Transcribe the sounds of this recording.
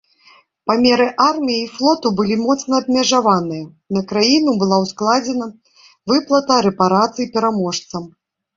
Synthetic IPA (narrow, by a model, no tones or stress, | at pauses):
pamʲɛɾɨʔarmʲijɛiflˠɔt̪ubɨlʲimɔt̪snɐːbmʲɛʐavanɨjɐ | nɐkɾajinubɨlˠawsklˠad͡zʲɛnɐ | vɨplˠɐt̪ɐɾɛpaɾat̪sɨjipʲɛɾamɔʂt̪sɐm